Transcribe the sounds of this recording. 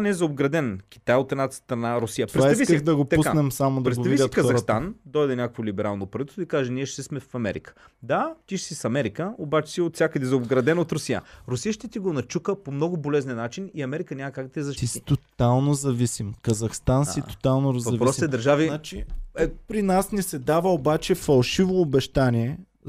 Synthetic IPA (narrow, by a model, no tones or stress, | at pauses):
anɛzɐobɡɾɐd̪ɛnkʲi̥t̪ajot̪ɛd̪nat̪st̪ɾɐnaɾʊsijət̪pɾɛaivisk̪id̪ɐɡopt̪ɐuskanɛmsamod̪ɐɾɛt̪ɡovɐiit̪kɐzɐst̪and̪ɔjd̪ɛnʲakəkvolibɛɾalˠnopɾɐit̪oikaʒɛniɛʃt̪ɛsmɛfɐmɛ̰ɾḭkə̥ | d̪at̪iʃsisɐmɛɾikəobat͡ʃɛ̥siot̪fsʲakəd̪ɛzɐobɡɾɐd̪ɛnot̪ɾʊsijə̰ɾʊsijəʃt̪ɛt̪iɡonɐt͡ʃukəpomnɔɡʊbolɛznɛnat͡ʃiniɐmɛɾikənʲamɐkakɡd̪ɐt̪ɛzɐʃt̪isi̥t̪ot̪alˠnozɐvisimkɐzɐxst̪ansit̪o̥t̪alˠnoɾzvɐɐvpɾɔsɛd̪ɐɾʒavit͡ʃiɛpɾinasnisɛd̪avəobat͡ʃɛfɐlˠʃivoːbɛʃt̪aniɛ